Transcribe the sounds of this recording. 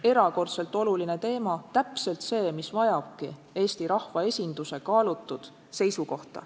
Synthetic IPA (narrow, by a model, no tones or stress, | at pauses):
e̞ɾɑko̞rt̪se̞lt̪ːˑo̞luline̞t̪e̞ːmɑt̪æpse̞lt̪se̞ːmisvɑjɑb̥̚ki | e̞ːst̪iɾɑhvɑe̞sʲind̪̥use̞kɑːlut̪ːˑud̪̥ | se̞jsuko̞ht̪ɑ̰